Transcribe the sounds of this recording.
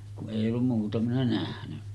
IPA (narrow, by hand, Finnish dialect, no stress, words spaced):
kuʔ ʔeˑi olːum muːtɑ minæ næhnyn̥ːæ̥